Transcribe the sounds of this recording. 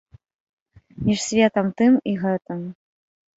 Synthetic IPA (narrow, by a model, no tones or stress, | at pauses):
mʲiʂsʲvʲɛt̪ɐmt̪ɨmiɣɛt̪ɨm